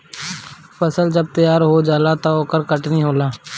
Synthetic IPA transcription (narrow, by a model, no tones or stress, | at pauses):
pʰəsəld͡ʒəb̚t̪əjaːɾɦoːd͡ʒaːlat̪aoːkəɾkəʈniːɦoːlaː